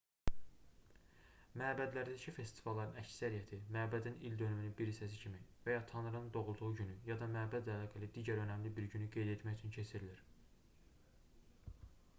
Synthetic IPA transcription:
mæːbæd̪læɾd̪æcʰife̞st̪ʰi̥vɑlˠːɑɾɯnæcsæɾijæt̪ʰimæːbæd̪inild̪ø̞nymynynbiɾisæs̬icʰimivæjɑt̪ʰɑnɯɾɯnɯnd̪o̞ɣulˠd̪uʁuɟynyjɑd̪ɑmæːbæd̪ælɑːɡælid̪iːɟæɾø̞næmlibiɾɟynyɡe̞jd̪e̞t̪ʰmæçyt͡ʃʰyncʰe̞sʰiɾiliɾ

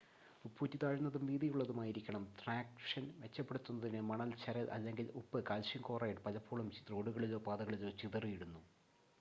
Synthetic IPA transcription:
upʰːuːtːit̪aːɻunːɐðumʋiːðijuɭːɐðumaːjiɾikʲːɐɳɐmt̪raːkʂɐnʋe̞t͡ɕːɐpːe̞ɽut̪ːunːɐðinɨmɐɳɐlt͡ɕɐɾɐlʔɐ̰lːe̞ŋɡilupːɨkaːlʂiŋkoːrɐːjiʈɨpɐlɐpːuːɭumro̞ːɽuɣɐɭilo̞ːpaːðɐɣɐɭilo̞ːt͡ɕiðɐrijiɽunːu

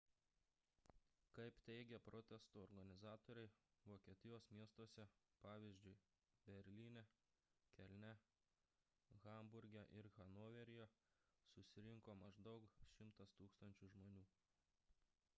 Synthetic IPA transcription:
kɐɪpt̪ʲɛɪɡʲɛpɾɔt̪ʲɛst̪uːɔɾɡɐnʲɪzɑːt̪oːɾʲɛɪʋoːkʲiɛt̪ʲɪjoːsmʲiɛst̪osʲɛ | pɑːʋʲiːzʲd͡ʒʲʊɪ | bʲɛɾʲlʲiːnʲɛ | kʲɛlʲnʲɛ | ɣɐmbʊɾʲɡʲɛʔɪɾɣɐnoːʋʲɛɾʲɪjɛ | sʊsʲɪɾʲɪŋkoːmɐʒd̪ɐʊkʃʲɪmt̪ɐst̪uːkst̪ɐnʲt͡ʃʲʊʒmoːnʲuː

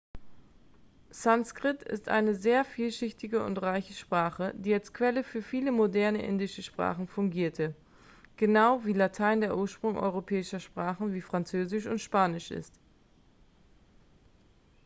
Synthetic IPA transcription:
sanskʁ̥ɪtɪ̰stʔa̰ɪnəzeːɐfiːlʃɪçtɪɡəʊ̰ntʁaɪçəʃpʁ̥aːχəd̥iːalskv̥ɛləfyːɐfiːləmodɛɐnə̰ʔɪ̰ndɪʃəʃpʁ̥a̰ːχn̩fʊŋɡiːɐtʰə | ɡ̥ənaʊviːlatʰaɪndeːɐʔuːɐʃpʁ̥ʊŋʔɔ̰ʏʁopʰɛːɪʃɐʃpʁ̥aːχn̩viːfʁ̥ant͡søːzɪʃʊntʃpaːnɪʃʔɪ̰st

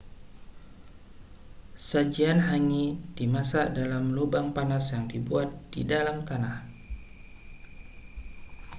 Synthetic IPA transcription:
sad͡ʒianɦaŋid̥imasadalamlubaŋpanasjaŋdibuat̪̚d̥ḭdalamt̪anah

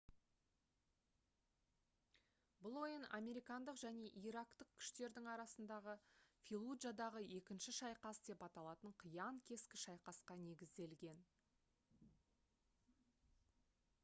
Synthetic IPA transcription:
blˠo̞əna̰mʲe̞ɾijkɑnd̪əqʒæne̞ʔiɾɑkt̪əq̚kʲʰʏ̥ʃt̪e̞ɾd̪ɪŋɑɾɑsənd̪ɑʁəfʲilˠudʒad̪ɑʁəe̞kʲɪnʃɪʃɑjqɑsd̪e̞pɑt̪ɑlˠɑt̪əɴqʰəjɑŋkʲʰe̞skʲɪʃɑjqɑsqɑne̞ɡʲɪzd̪e̞lɡʲe̞n

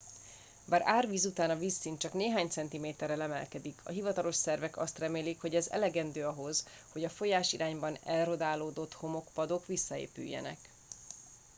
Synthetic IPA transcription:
baːɾaːrʋiːzut̪aːnɒviːsːiːnt͡ʃɒkneːɦaːɲt̪sɛnt̪imeːt̪ɛrːɛlɛmɛ̰lkɛd̪ikʰɒ̰ɦivɒt̪ɒlo̞ʃsɛrvɛkɒst̪rɛmeːlikho̞ɟɛzɛ̰lɛɡɛnd̪øːɒɦo̞z̥ | ho̞ɟɒfo̞jaːʃiɾʔaːɲbɒnɛlro̞d̪aːloːd̪o̞t̪ho̞mo̞kpɒd̪o̞kʋisːɒḛːpy̰jːɛ̰nɛ̰k

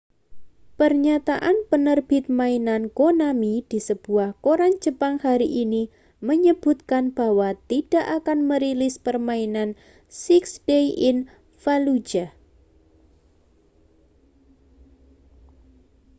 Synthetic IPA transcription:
pərɲat̪aʔanpənərb̥ɪt̪̚mainankonamid̥i̤səb̥uahkoɾand͡ʒ̥ə̤paŋhaɾiʔini | məɲəb̥ṳt̪̚kanb̥a̤wat̪id̥a̤ʔakanməɾilɪspərmainan | sɪksdeiʔɪn | falud͡ʒa

